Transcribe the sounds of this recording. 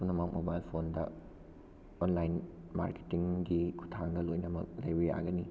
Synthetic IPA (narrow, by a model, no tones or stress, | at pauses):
punɐmɐk̚mobajlpʰondɐ | onlajn | ma̰ɾke̥tiŋɡikʰu̥tʰaŋɡɐlojnɐmɐ̰k̚lɐjbija̰ɡɐni